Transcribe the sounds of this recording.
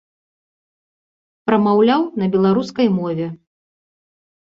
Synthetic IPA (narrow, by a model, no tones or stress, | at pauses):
pɾɐmawlʲawnɐbʲɛlˠaɾuskɐjmɔvʲɛ